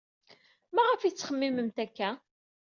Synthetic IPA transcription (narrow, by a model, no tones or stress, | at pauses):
mæʁəfit͡sːχəmːiməmt̪ækːæ